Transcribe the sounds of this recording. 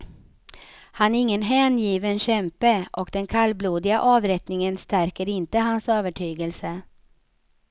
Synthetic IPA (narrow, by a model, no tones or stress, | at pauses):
hanɾɪŋːənɦɛːnjiːvənɕɛmpəʔɔkd̪ɛnkʰalːbluːd̪ɪɡa̰ʔɑːvɾɛt̪nɪŋənst̪æɾkəɾɪnt̪əɦansøːvəʈʰyːɡəlsə